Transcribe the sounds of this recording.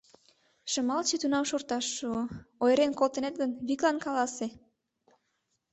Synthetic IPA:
ʃə̆mɑlt͡ɕet̪unɑmʃort̪ɑʃːuoojɾenkolt̪ə̆net̪̚ɡənβiklɑnkɑlɑse

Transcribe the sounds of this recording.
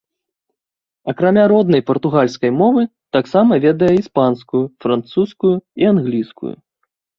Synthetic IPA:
ɐkɾamʲaɾɔd̪nɐjpɐrt̪uɣalʲskɐjmɔvɨt̪aksamɐvʲɛd̪ɐjɛispanskujufɾant̪suskujuianɣlʲiskṵjṵ

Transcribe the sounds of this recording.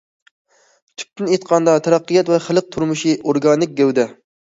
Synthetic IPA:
t͡ʃ̪ʰy̥k̚ʲt̪ʰɪnet̪qʰɑnd̪ɑt̪ʰɛɾɑqːɨjɛt̪vɛχəlˠɨq̚t̪ʰuɾmuʃiʔoɾɡɑnɪk̚ʲɡʲɛwd̪ɛ

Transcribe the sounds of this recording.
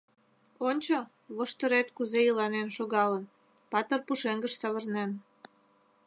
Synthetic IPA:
onʲt͡ɕo | βoʃt̪əɾet̪kuzejəlɑnenʃoɣɑlən | pɑt̪ərpuʃeŋɡəʃsɑβərnen

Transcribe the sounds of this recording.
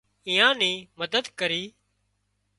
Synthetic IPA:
ĩːjãːnĩːməd̪əd̪kəɾiː

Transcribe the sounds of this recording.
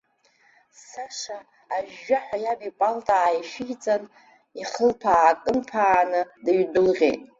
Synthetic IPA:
saʂaː | ʒːaħʷajabipʼaltʼaːjʃɪɡt͡sʼan | iχəlpʰaːkʼɨmpʰaːnɨdaɥdɨlʁʲḛjtʼ

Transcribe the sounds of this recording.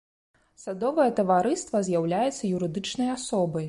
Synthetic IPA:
sad̪ɔvɐjɐt̪ɐvaɾɨst̪vɐzʲjawlʲajɛt̪sːɐjuɾɨd̪ɨt͡ʂnɐjasɔbɐj

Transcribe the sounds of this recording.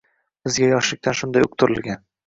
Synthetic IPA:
bɪzɡʲajɒʃlɪk̚ʲt̪ʰanʃʊnd̪ajʊqt̪ʰʊɾɪ̰lɡʲan

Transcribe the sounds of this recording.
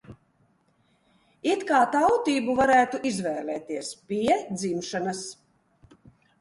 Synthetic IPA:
it̪kaːt̪awt̪iːbuvaɾæːt̪uʔizvɛːlɛːt̪iɛspiɛd̪zimʃanas

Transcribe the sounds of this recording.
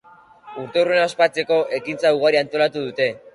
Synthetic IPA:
uɾt̪e̞urenaospat͡se̞ko̞ʔe̞kint͡sauɣ̞aɾiant̪o̞lat̪uðut̪e̞

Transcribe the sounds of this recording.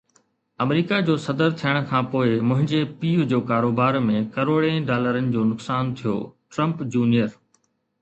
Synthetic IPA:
ɐmɾiːkad͡ʑoːsɐd̪əɾt̪ʰijəɽ̃̆kʰãːpoːɪmʊ̃ɦɪ̃ɲd͡ʑepiːʋd͡ʑoːkaːɾoːbaːɾmẽkɐɾoːɽẽɖaːləɾənɪ̆d͡ʑoːnʊksaːnt̪ʰijo̰ːʈɾɐ̃mpd͡ʑuːnijəɾ

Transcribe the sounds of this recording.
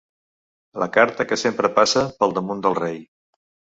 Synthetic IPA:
lʔə̰kaɾt̪əkəsempɾəpasəpəlˠd̪əmund̪əlˠrej

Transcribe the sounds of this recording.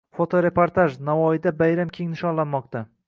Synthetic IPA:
fot̪ʰoɾe̞poɾt̪aʒnavɒɪd̪abajɾamkʲʰe̞ŋnɪʃɒnlanmɒq̚t̪a

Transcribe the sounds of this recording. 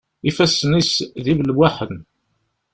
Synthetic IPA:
ifæsnisðivlwaħən

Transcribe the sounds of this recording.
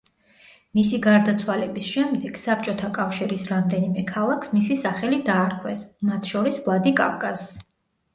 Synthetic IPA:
misiɡaɾd̪at̪sʰwalɛbisʃɛmd̪ɛɡ̥sap̚ʰt͡ʃʼɔt̪ʰakʼafʃiɾisɾamd̪ɛnimɛkʰalˠakʰsmisisaχɛlid̪aːɾkʰwɛsmat̪ʰʃɔɾisvlˠad̪ikʼa̰fkʼazː

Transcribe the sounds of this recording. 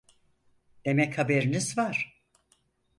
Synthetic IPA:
d̪̥e̞mɛchabeɾinizvaɾ̥

